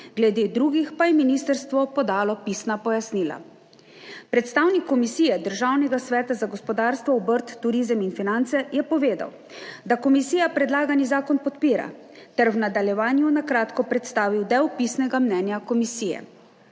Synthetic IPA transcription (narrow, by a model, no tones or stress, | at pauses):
ɡlɛd̪eːd̪ɾuːɡixpajɛminist̪əɾst̪ʋɔpɔd̪aːlɔpisnapɔjasniːla̰ | pɾɛt̪st̪aːwnikːɔmisiːjɛd̪əɾʒaːwnɛɡasʋɛːt̪azaɡɔspɔd̪aːɾst̪ʋɔɔbəɾt̪ːuɾizəminfinant̪sɛjɛpɔʋeːd̪a̰w | d̪akɔmisiːjapɾɛd̪laːɡanizaːkɔnpɔt̪piːɾa̰ | t̪ɛɾwnad̪aljɛʋaːnjunakɾaːt̪kɔpɾɛt̪st̪aːʋiwd̪ɛwpisnɛɡamnɛːnjakɔmisiːjɛ̰